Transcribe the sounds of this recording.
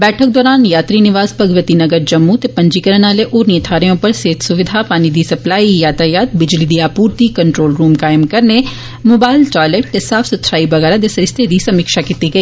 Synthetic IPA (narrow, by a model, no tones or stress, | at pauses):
bɛːʈʰək̚d̪ɔːɾaːnjaːt̪ɾiːnɪʋaːzpɐɡʋət̪iːnəɡəɾd͡ʒɐmːut̪eːpəɲd͡ʒikəɾənaːleʔoːɾnĩət̪ʰaːɾeõpəɾseːt̪ʰsʊʋɪd̪ʱapaːnid̪iːsɐplaːijaːt̪ajaːt̪̚bɪd͡ʒliːd̪iːaːpuːɾt̪iːkəɳʈɾoːlɾuːmkaːjəmkɐɾne | moːbaːɪlʈaːjleːʈ̚t̪eːsaːfʰsət̪ʰɾaːibəɣɛːɾãd̪eːsɐɾɪst̪ʰed̪iːsɐmɪkʃaːkiːt̪iːɡəiː